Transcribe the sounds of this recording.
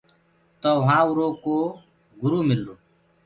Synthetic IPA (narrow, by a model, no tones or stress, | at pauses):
t̪oːʋɦãːuɾoːkoː | ɡʊɾuːmɪlːoː